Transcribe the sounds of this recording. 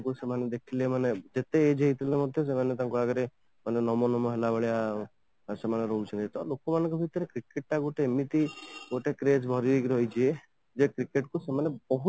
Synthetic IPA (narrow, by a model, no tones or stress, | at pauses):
kusemaned̪ekʰilemaned͡ʒet̪eːd͡ʒeɦit̪ilemɔd̪ʱjos̬emanet̪aŋkuaɡɔɾe | manenɔmɔnɔmɔɦelabeɭija | semaneɾɔut͡ʃʰinet̪ɔlokɔmanɔ̃ŋkɔbʱit̪ɔɾekɾikeʈ̚ʈaɡoʈemit̪iɡoʈekɾed͡ʒbʱɔɾiikɾɦɔjt͡ʃʰie | d͡ʒekɾikeʈkusemanebɔɦu